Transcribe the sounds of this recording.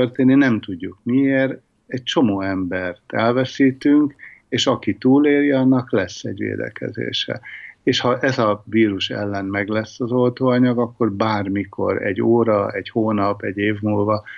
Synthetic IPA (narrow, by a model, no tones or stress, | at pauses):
ørt̪eːnːinɛmt̪uɟːukmieːr | ɛc̚t͡ʃo̞moːɛmbɛrt̪ɛlvɛsiːt̪yŋkeːʃɒkit̪uːleːɾjɒnːɒklɛsːɛ̰ɟʋḛːd̪ɛ̰kɛ̰zḛːʃɛ̰eːʃhɒʔɛzɒviːɾuʃɛ̰lːɛnmɛɡlɛsːɒzo̞lt̪oːɒɲɒɡɒkːo̞rbaːrmikʰo̞̰ɾɛ̰ɟːoːɾɒɛɟhoːnɒpɛɟeːvmuːlvɒ